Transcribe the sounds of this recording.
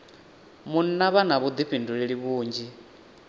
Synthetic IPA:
mun̩naβanaβud̪iɸinduɺiɺiβuːnd͡ʒi

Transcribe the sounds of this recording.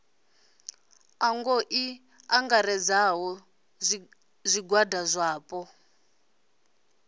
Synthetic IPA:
aŋɡoʔi | aŋɡaɾɛd͡zaɦɔ | zʷiɡwadazʷaːpɔ

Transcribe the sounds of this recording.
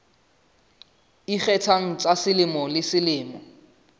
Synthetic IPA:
iχɛtʰaŋ̩t͡sʼasɪlɪmɔlɪsɪlɪːmɔ

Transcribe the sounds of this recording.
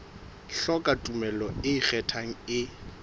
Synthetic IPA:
ɬɔkʼatʼumɛlɔɪik͡xɛtʰaŋ̩ɪ

